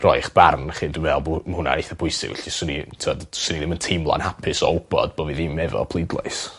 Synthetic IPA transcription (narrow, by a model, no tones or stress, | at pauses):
rɔɨχb̥arnχɨːndɪvɛlˠbmhʊna̰ejθabʰʊɨsɪ̰ɡ̥wɛ̰ɬisənḭtʰəɔdsəniðɪməntʰɪmlˠa̰nhapʰɪsɔɔlˠbɔ̰d̚boviːðɪmɛvɔ̰pʰlˠɪdlˠɔ̰ɨs